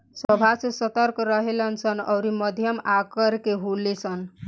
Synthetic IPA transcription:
sʌbʱasesʌt̪ʌɾkɾʌɦelʌnt͡sʰʌnʌ̰wɾimʌd̪ʱjʌmakəɾkeɦulesʰʌn

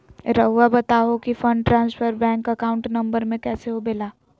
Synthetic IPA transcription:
ɾɐɦuabɐt̪aːɦokifɐ̃ɳɖʈɾãːnsfəɾbɛ̃ːŋkɐkaːʊ̃ɳʈnɐ̃mbəɾmẽkɛːseɦobeːlaː

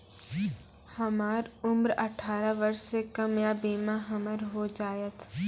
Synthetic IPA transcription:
hɐmaːɾʊmɾɐʈʰaːɾaʋəɾssekəmjabiːmaɦɐməɾɦod͡ʒaːjət̪

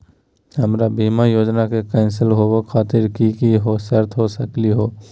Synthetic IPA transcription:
həmɾabiːmajoːd͡ʒnakekɛ̃ɪnsɪlɦookʰaːt̪ɪɾkikiɦosəɾt̪ʰɦosəkliɦoː

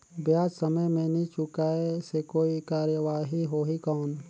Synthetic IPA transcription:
bjaːd͡ʒsəməjmẽnit͡ʃʊkaːesekoːikaːɾjəʋaːɦiɦoːɦikɔːn

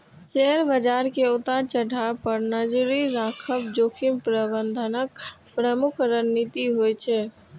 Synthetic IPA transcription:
seɦəɾbəd͡ʒaɾkeut̪aɾt͡ʃəɖʱapəɾnəd͡ʒɾiɾakʰəpd͡ʒokʰimpɾəbənd̪ʱənəkpɾəmukʰɾənːit̪iɦojt͡ʃʰɛ

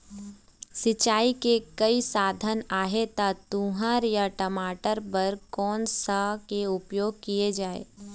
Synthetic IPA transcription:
sɪt͡ʃaːikekɐisaːd̪ʱənaːɦet̪at̪ũːɦaɾjaʈəmaːʈəɾbɐɾkɔːnsakeʊpjoːɡ̚kijed͡ʒaːḛː

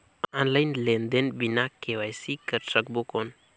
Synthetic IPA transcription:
anlajnlend̪enbinakːewajsikəɾtək̚bokon

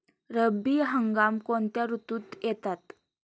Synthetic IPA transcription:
ɾəbiɦəŋɡamkont̪jaɾut̪uːt̪jɛt̪at̪

